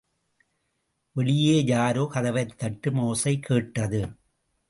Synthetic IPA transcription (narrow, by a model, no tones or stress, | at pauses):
ʋɛɭɪjeːjaːɾoːkɐðɐʋɐɾt̪ːɐʈːɯmoːsɐɪkʰːeːʈːɐðɯ